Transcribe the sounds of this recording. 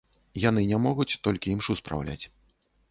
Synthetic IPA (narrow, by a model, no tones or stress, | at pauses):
jan̪ɨnʲamɔɣut͡sʲt̪ɔlʲkʲiimʂuspɾa̰wlʲa̰t͡sʲ